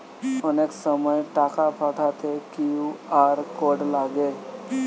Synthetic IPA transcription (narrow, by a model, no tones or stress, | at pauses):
əneksəməjʈakapʰaʈʰat̪ʰekiuaɾkoɽlaɡel